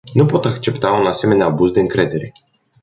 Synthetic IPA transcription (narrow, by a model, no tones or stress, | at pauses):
nupɔt̪axt͡ʃɛpt̪aɔnasɛmɛnʲabuzd̪ɛnkɾɛd̪ɛɾi